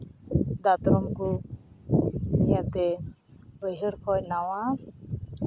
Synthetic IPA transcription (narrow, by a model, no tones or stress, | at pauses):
d̪at̪ɾɔmku | ɛjat̪ɛ | əjɦəɽkʰɔjnawa